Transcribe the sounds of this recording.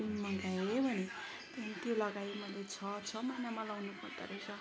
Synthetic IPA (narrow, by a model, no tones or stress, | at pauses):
nmʌŋɡajebʱʌne | t̪ʌnit̪jolʌɡajmʌlːet͡sʰʌt͡sʰʌmʌjnamalawnupʌrd̪ʌ̰ɾʌjsʰʌ